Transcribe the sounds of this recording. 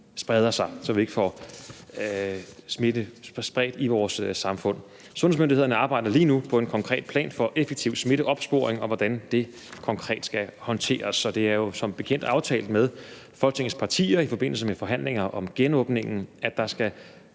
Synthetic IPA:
sb̥ʁɛð̞ˠɐsɑ̈ɪsɒ̽ʋie̝ɡ̥əfɒ | sme̝d̥ə̥sb̥ʁɛ̰ːd̥iʋɒːssɑ̈mfɔ̽n̰ | sɔnesmønd̥ihe̝ð̰ˠɐnəɑ̈ːb̥ɑ̈ɪ̰dɐliːnupʰɒ̽e̝nkʰɒ̽ŋkʰʁɛ̰ːd̥pʰlɛ̰ːnfɒ̽ʔefeɡ̥̚t͡sʰiʊ̰sme̝ɾ̥əʔɒ̽b̥sb̥o̝ːɐeŋɒ̽ʋɒd̥ænd̥e̝ | kʰɒ̽ŋkʰʁɛ̰ːd̥sɡ̥æhɒ̽nt͡sʰe̝̰ːɐsɒ̽d̥e̝æɐjo̝sɒ̽mb̥e̝kʰen̰d̥ɑ̈ʊt͡sʰɛ̰ːld̥meðˠ | fɒ̽lɡə̥t͡sʰe̝ŋəspʰɑ̈t͡sʰḭːɐifɒ̽b̥e̝n̰l̩s̬əmefɒ̽ɦæn̰le̝ŋɐʔɒ̽mɡ̥enɔ̽ːb̥ne̝ŋn̩æd̥d̥ɑ̈sɡ̥æ

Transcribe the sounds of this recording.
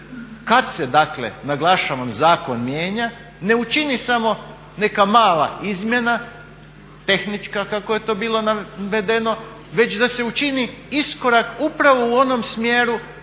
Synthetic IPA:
kad̪se̞d̪akle̞̰naɡlˠaʃaʋamzaːko̞nmje̞ːɲa | ne̞ut͡ʃinisamo̞ | ne̞kamaːlˠa̰izmje̞na | t̪e̞xnit͡ʃkakako̞je̞t̪o̞ːbiːlˠo̞naʋe̞d̪e̞no̞ | ʋe̞t͡ɕd̪ase̞ut͡ʃiniisko̞ɾakupɾaʋo̞uo̞no̞msmjeːɾu

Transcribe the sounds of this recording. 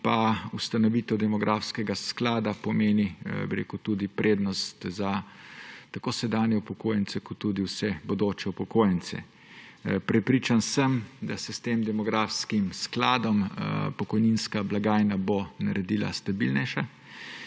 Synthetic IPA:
paust̪anɔʋiːt̪ɛwd̪ɛmɔɡɾʔafskɛɡasklaːd̪apɔmeːnibiɾḛːkuwt̪ud̪ipɾeːd̪nɔst̪za | t̪akoːsɛd̪aːnjɛupɔkoːjɛnsɛkɔt̪ːud̪iwsɛbɔd̪oːt͡ʃɛupɔkoːjɛnt̪sɛ̰ | pɾɛpɾit͡ʃansəmd̪asɛst̪eːmd̪ɛmɔɡɾaːfskimsklaːd̪ɔmpɔkɔjninskablaɡaːjnabonaɾɛd̪iːla̰st̪abilnɛjʃa

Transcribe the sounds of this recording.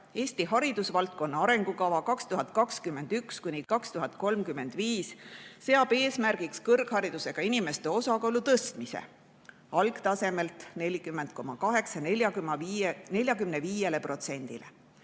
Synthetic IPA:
e̞ːsʲt̪iɦɑɾid̪̥usvɑlt̪̚ko̞nːɑɑɾe̞ŋɡ̥ukɑvɑkɑkst̪uɦɑd̪̚kɑkskymːe̞nd̪̥ykskunʲikɑkst̪uɦɑt̪̚ko̞lmkymːe̞nd̪̥viːsːe̞ɑb̥e̞ːsmærɡ̥ikskɤrɡ̥hɑɾid̪̥use̞ɡ̥ɑinʲime̞st̪e̞o̞sɑkɑlut̪ɤst̪misḛ | ɑlɡ̥t̪ɑse̞me̞lt̪ˑne̞lʲikymːend̪̚ko̞mɑkɑɦe̞ksɑjneljɑkmɑnelʲjɑkymneviːje̞le̞pro̞t̪se̞nʲd̪̥ile

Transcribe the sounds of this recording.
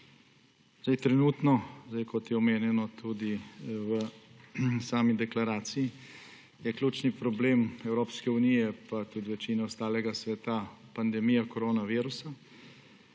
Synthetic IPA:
zd̪ajt̪ɾɛnuːt̪nɔzd̪ajkɔt̪jɛɔmeːnjɛnɔt̪ʰuːd̪iwə | saːmid̪ɛklaɾaːt̪sii | jɛklʲuːt͡ʃnipɾɔbleːmɛwɾoːpskɛunijɛpat̪ud̪iʋɛt͡ʃiːnaɔst̪aːlɛɡasʋɛt̪apand̪ɛmijakɔɾoːnaʋiːɾusa

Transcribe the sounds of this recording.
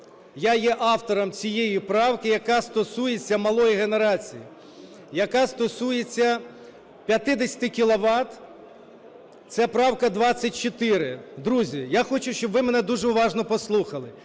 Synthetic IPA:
jajɛʔɑwt̪ɔɾɔmt͡sʲijejipɾɑwkɪjɐkɑst̪ɔsujet͡sʲːɐmɐlˠɔjiɦeneɾɑt͡sʲiji | jɐkast̪ɔsujet͡sʲːɐ | pʲjɐt̪ɪd̪esʲɐ̥t̪ɪkʲilˠɔʋɑt̪ | t̪sɛpɾɑwkɐd̪ʋɑt͡sʲːɐtʲt͡ʃɔt̪ɪɾɪd̪ɾuzʲijaxɔt͡ʃʊʃʲt͡ʃɔbʋɪmɛnɛd̪uʒɛʊʋɑʒnɔpɔslˠuxɐlˠɪ

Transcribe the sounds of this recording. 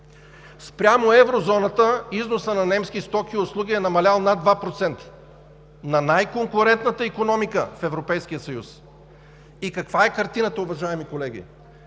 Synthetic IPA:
spɾʲamoɛvɾozɔnɐt̪əiznosənɐnɛmskist̪ɔkʲiʊslˠuɡ̟ʲiɛnɐmɐlʲalˠnad̪vapɾot̪sɛnt̪ə̥ | nɐnajkoŋkʊɾɛnt̪̚nət̪əikonɔmikəfɛvɾopɛjsk̟ijət̪sɐjus | ikɐkvaɛkɐɾt̪inət̪əʊvɐʒaɛmikolɛɡ̟ʲḭ

